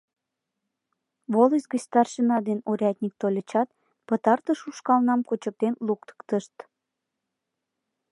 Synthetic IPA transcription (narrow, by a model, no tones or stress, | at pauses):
βoləsʲɡət͡ɕst̪ɑrʃənɑd̪enoɾʲɑt̪ʲnʲik̚t̪olʲət͡ɕɑt̪̚ | pət̪ɑrt̪əʃuʃkɑlnɑmkot͡ɕək̚t̪enlukt̪ə̥kt̪əʃt̪